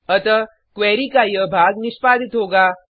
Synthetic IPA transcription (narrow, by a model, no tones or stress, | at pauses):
ət̪ə | kʋɛːɾikajəbʱaːɡnɪʃpaːd̪ʱɪt̪ɦoːɡaː